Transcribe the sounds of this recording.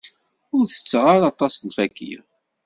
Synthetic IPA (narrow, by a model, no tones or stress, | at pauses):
ʊɾθə̥t͡sːʁaɾɑt̪ˤːɑsnfækːḭ